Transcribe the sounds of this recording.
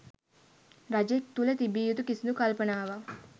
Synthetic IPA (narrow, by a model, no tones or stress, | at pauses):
ɾɐd͡ʒek̚t̪ulet̪ibijut̪ukisnukɐlpɐnaːʋa